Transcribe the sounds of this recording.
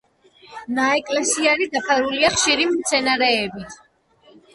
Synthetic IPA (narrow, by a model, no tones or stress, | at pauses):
naɛkʼlɛsiaɾid̪apʰaɾuliaχʃiɾimt̪sʰɛnaɾɛːbit̪ʰ